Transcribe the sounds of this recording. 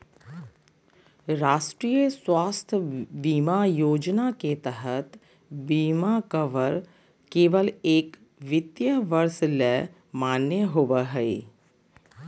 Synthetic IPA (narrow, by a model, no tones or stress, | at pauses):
ɾaːʃʈɾijəswaːst̪ʰbiːmajoːd͡ʒnaket̪əɦət̪ | biːmakəʋəɾ | keːʋəleːk | ʋɪt̪jəʋəɾslɛ | maːnːəɦoʋəɦɛe